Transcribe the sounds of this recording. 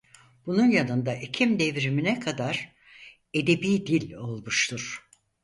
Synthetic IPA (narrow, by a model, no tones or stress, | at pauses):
b̥ununjanɯnd̪aʔicʰimd̪evɾiminɛkʰad̪aɾ̥ | e̞d̪e̞biːd̪ilʲo̞lˠmuʃt̪ʰuɾ̥